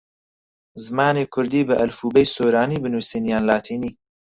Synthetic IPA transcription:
zɨmaːneːkʰʊɾd̪iːbɨʔɐlfuːbɛjsoːɾaːniːbɨnuːsiːnjaːnlaːt̪ʰiːniː

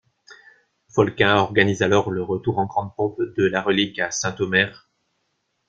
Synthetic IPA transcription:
fɔlkɛ̃ɔʁɡanizalɔʁləʁət̪uʁɑ̃ɡʁɑ̃d̪̚pɔ̃pd̪əlaʁəlikasɛ̃t̪omɛʁ

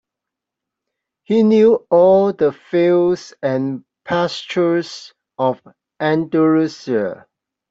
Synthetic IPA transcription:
hinjuɔldəfelsɛ̃n | pʰæst͡ʃəs | ɔv | ɛ̃ndəɹusiə

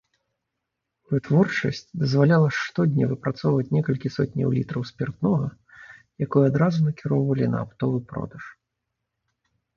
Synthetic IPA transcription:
vɨt̪vɔrt͡ʂɐ̰sʲt͡sʲd̪ɐzvalʲalˠɐʂt̪ɔd̪ʲnʲɐvɨpɾat̪sɔwvɐt͡sʲnʲɛkɐlʲkʲisɔt̪ʲnʲɐ̰wlʲit̪ɾɐwsʲpʲɛrd̪nɔɣɐ | jakɔjɛad̪ɾazunɐkʲiɾɔwvɐlʲinɐ̰apt̪ɔvɨpɾɔ̰d̪ɐʂ

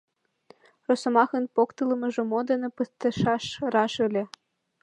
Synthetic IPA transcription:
rosŏmɑxə̆npokt̪ɤlɤ̆mɤ̆ʒŏmod̪enĕpəst̪ə̆ʃɑʃrɑʃəlʲĕ

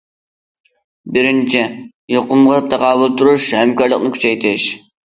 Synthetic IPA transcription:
bɪɾɪnt͡ʃʰɪ | joqʊmʁɑt̪ʰæqɑːbʊlˠt̪ʰuɾuʃhɛmkɑɾlˠəqnɨkʲʰy̥t͡ʃɛjt̪ʰɪʃ

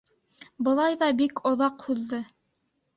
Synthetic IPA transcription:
bɤ̆lˠɑjðɑbikʰŏðɑqhʉðːɤ

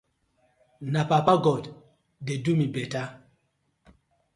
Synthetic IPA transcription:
napapaɡɔd | dedumibɛta

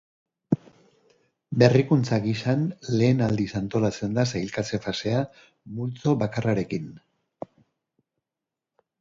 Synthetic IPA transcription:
be̞rikunt͡saɣisanle̞ːnald̪isant̪o̞lat͡se̞nd̪asajlkat͡se̞fase̞a | mult͡so̞βakaraɾe̞kin

